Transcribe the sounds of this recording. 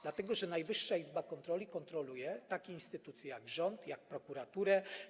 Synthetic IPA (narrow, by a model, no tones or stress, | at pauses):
d̪lat̪ɛɡɔʐɛnajvɘʂːaizbakɔnt̪ɾɔlʲikɔnt̪ɾɔlujɛt̪akʲiinst̪ɘt̪ut̪sʲjijaɡʐɔnt̪jak̚pɾɔkuɾat̪uɾɛ